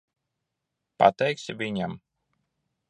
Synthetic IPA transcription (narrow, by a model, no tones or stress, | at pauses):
pa̰t̪ɛjksʲivʲiɲam